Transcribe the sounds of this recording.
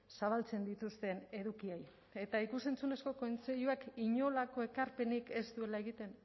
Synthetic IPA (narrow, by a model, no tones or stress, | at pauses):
saβ̞alt͡se̞nd̪it̪ust̪e̞ne̞ðukiaj | e̞t̪aikuse̞nt͡sune̞sko̞kont͡seʎuakiɲo̞lako̞e̞kaɾpe̞nike̞st̪ue̞lae̞ɣit̪e̞n